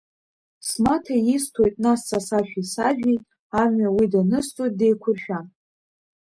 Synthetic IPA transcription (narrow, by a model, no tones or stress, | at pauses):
smatʰajistʰo̞jtʼnast͡sʰʼasaʃᶣisaʒᶣi | amːawidanɨst͡sʼojt̚dejkʷʰʊrʃᶣa